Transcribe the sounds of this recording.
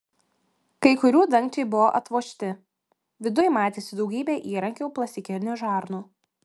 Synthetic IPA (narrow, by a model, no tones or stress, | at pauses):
kɐɪkʊɾʲuːd̪ɐŋʲkt͡ʃʲeɪbʊʋoʔɐt̪ʋoːʃʲt̪ʲɪ | ʋʲɪd̪ʊjɛmɑːt̪ʲeːsʲɪd̪ɒʊɡʲiːbʲeːʔiːɾɐŋʲkʲoʊplˠɐsʲɪkʲɪɾʲnʲʊʒɑːɾnuː